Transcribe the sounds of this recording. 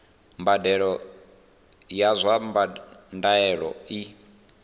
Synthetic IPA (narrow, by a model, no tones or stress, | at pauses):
mbadɛɺɔ | jazʷambandaɛɺɔ̰i